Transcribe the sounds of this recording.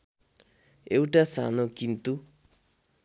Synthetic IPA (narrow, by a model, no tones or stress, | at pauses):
ewʈasa̰nokint̪u